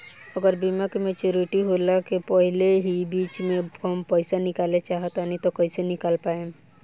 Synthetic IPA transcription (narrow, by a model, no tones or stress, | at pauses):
əɡəɾbiməkmẽt͡ʃuɾiʈiɦolakepəɦɪleɦibiːt͡ʃmẽɦəmpəɪsanɪkaːlet͡ʃaːɦət̪anit̪okəɪsenɪkaːlpaːẽ